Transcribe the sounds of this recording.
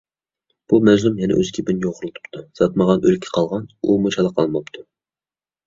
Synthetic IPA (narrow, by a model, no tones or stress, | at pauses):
b̥umɛzlymjɛnɛ̰ʔøz̥kʲʰipɪnjoʁʊɾlˠt̪ʰu̥pt̪ʰusɑt̪mɑʁɑnølkʲʰːɛ̥qʰɑlˠʁɑnumut͡ʃʰɑlˠɑqʰːɑlˠmɑpt̪ʰu